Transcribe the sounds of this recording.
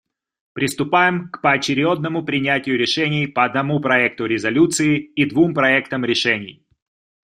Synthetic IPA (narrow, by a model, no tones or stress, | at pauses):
pɾʲʔɪst̪ʊpajɪmkpəɐt͡ɕɪɾʲod̪̚nəmʊpɾʲɪnʲætʲɪjʊɾʲɪʂɛnʲɪjpəɐd̪nɐmupɾɐɛk̚t̪ʊɾʲɪzɐlʲut̪sɨɪid̪vumpɾɐɛkt̪əmɾʲɪʂɛnʲɪj